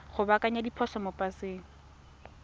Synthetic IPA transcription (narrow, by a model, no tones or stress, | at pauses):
χʊbakʼaɲadipʰɔsɔmopʼaseːŋ̩